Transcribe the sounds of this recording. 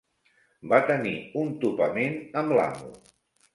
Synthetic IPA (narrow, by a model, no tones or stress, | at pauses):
bat̪əniunt̪upəmenəmla̰ŋṵ